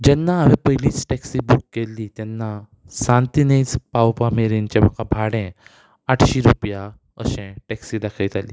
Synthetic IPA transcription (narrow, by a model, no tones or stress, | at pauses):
d͡ʑɛnːaːʋipəɦiliːt͡sʈɛksibukːelːiːt̪jɛnːa | sãnt̪inet͡spawpameɾĩnt͡ɕɛm̤akabʱaɽɛ̃ | aʈʰɕiɾupja | ə̰ɕɛ̃ʈɛksiːd̪akʰəjt̪ʰali